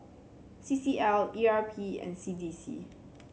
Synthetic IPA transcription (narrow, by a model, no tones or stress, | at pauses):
sisiɛliapʰiɛ̰̃nsidisḭ